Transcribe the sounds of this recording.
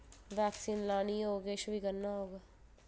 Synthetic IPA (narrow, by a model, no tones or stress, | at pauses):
ʋɛːksiːnlaːniɦoːɡeʃbʱikɐɾnaɦoːɡaː